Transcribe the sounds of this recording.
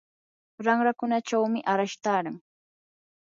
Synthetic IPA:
ɾaŋɾakʊnat͡ʃawmɪʔaɾaʃt̪aːɾaŋ

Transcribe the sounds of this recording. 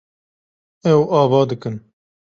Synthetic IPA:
ɛwʔɑːvɑːd̪ɨkɨn

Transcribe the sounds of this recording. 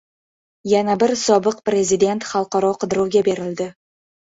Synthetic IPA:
janabɪɾsɒbɨqpɾe̞zid̪e̞nt̪χɑlˠqɑɾɒqʰɨd̪ɪɾuwɡʲabe̞ɾɪld̪ɪ

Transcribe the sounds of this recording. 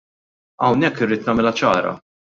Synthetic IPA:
ɐwnɛkːɪriːt̪nɐːmɛlɐt͡ʃɐ̰ːɾɐ̰

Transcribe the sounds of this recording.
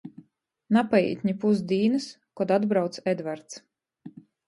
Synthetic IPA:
napajḭːt̪ʲɲʲipusd̪ʲiːnɨs | kɔd̪ad̪bɾawt̪sɛd̪vaɾt̪s

